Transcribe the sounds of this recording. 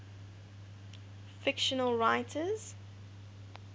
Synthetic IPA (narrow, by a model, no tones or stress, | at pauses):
fɪkʃənəlˠɹaɪtʰəz̥